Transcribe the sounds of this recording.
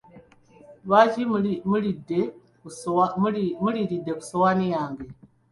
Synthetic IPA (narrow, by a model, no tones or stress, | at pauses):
bad͡ʒimmuɾide | kusmmuɾiɾideku̥sowanijaŋɡe